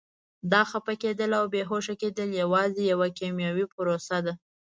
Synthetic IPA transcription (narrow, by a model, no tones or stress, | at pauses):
d̪ɑxapaked̪əlawbeɦoʃaked̪əljawɑzejawakemjɑwipʊɾosad̪a